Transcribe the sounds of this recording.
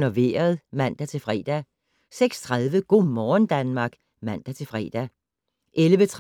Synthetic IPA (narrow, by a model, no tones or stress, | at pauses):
no̝ʋe̝̰ːɐð̞̩ˠmæn̰d̥æt͡sʰe̝lfʁɛ̰ːd̥æ | seɡ̥st͡sʰʁaðˠʋəɡ̥o̝̰ːmɒːnd̥ænmɑ̈ːɡ̥ | mæn̰d̥æt͡sʰe̝lfʁɛ̰ːd̥æ | ʔelʋət͡sʰʁ